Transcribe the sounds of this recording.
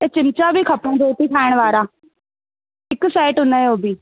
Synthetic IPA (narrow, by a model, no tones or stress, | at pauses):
eːt͡ʃɪmt͡ʃaːbʱiːkʰəpɽãːd͡ʒoːʈ̪ikʰaːɪɽ̃ʋaːɾaː | ɪksaːɪʈʊnəoːbʱiː